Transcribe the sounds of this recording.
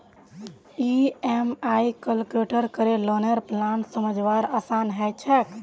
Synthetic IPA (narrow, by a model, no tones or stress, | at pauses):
iemajkəlkuʈəɾkəɾelɔneɾplansəməd͡ʒʋaɾaːsanɦɛt͡ʃʰɛk